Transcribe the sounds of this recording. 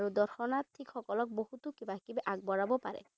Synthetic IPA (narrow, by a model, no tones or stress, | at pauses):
ɾud̪ɔɾxɔnat̪ʰikxɔkɔlɔk̚boɦut̪ukibakibʔaɡ̚bɔɹabɔpaɾɛ̰